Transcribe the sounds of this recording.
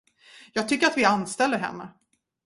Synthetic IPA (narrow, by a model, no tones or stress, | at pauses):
jɑːɡ̚t̪ʰʏkːəɾat̪vɪanst̪ɛlːəɾɦɛ̰mːa